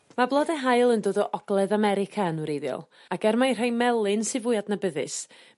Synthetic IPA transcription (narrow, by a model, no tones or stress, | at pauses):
mablˠɔðɛɦajlˠəndoːðɔʔɔɡ̥lˠɛðamɛɾɪkʰaənuɾeðjɔ̰lˠ | akɛɾmajr̥ajmɛlˠɪnsɨvʊjadnabəðɨ̰s